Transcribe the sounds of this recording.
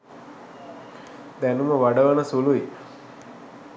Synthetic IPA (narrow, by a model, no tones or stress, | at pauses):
d̪ænuməʋaɖəʋənəsului